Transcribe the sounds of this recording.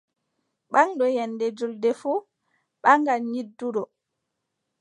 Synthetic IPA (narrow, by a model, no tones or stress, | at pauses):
ɓaŋɗɔjɛnːdɛd͡ʒuldɛfu | ɓaŋɡanɲidːuɗɔ